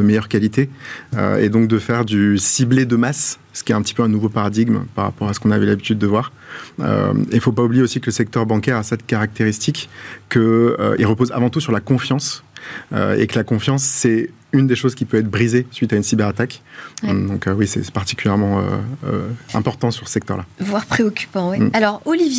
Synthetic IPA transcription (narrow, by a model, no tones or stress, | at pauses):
əmɛjœʁkalit̪eø̰ḛd̪ɔ̃k̚d̪əfɛʁd̪ysibled̪əmas | sə̥kʲiɛt̪ɛ̃pət̪ipøɛ̃nuvopaʁad̪iɡmpaʁa̰pɔʁasə̥kɔ̃navɛlabit̪yd̪ːəvwaʁ | ø̰eifopaublijeosikələsɛk̚t̪œʁbɑ̃kɛʁasɛt̪kaʁak̚t̪eʁist̪ikkːəø̰ḭlʁəpoza̰vɑ̃t̪usyʁlakɔ̃fjɑ̃s | ø̰ḛkəlakɔ̃fjɑ̃sːɛ | ynd̪eʃozkʲipøɛt̪χbʁizesɥit̪aynsibɛʁat̪ak | d̪ɔ̃køwisɛ̰paʁt̪i̥kʲyljɛʁmɑ̃ø̰øɛ̃pɔʁt̪ɑ̃syʁsə̥sɛkt̪œ̰ʁlavwaʁpχeɔkʲy̥pɑ̃wɛalɔʁolivj